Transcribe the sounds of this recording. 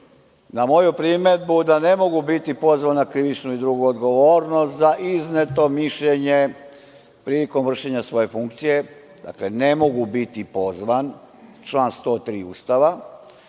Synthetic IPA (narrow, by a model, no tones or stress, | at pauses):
namo̞jupɾimed̪̚bud̪ane̞mo̞ɡubit̪ipo̞zʋanːakɾiʋit͡ʃnuid̪ɾuɡuod̪ɡo̞ʋo̞ːɾnost̪zaʔiznet̪o̞miʃʎe̞ɲe | pɾiːliko̞mʋr̩ʃe̞ɲasʋo̞je̞fuŋkt̪sije | d̪a̰kle̞ne̞mo̞ɡubit̪ipo̞zʋan | t͡ʃlˠaːnst̪o̞ːt̪ɾiːṵːst̪aʋa